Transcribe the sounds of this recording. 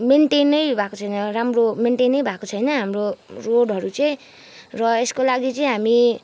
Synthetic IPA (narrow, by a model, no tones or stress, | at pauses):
meɳʈenʌjbʱakot͡sʰʌjnʌramromeɳʈenʌjbʱakot͡sʰʌjnʌɦamroroɽʱɦʌɾut͡sʌj̃ | rʌeskolaɡit͡sʌĩɦami